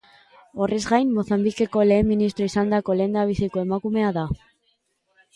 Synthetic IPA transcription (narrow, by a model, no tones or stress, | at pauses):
o̞re̞zɣajnmo̞θambike̞ko̞le̞ːmːinist̪ɾo̞isand̪ako̞le̞nd̪aβ̞isiko̞emakume̞aða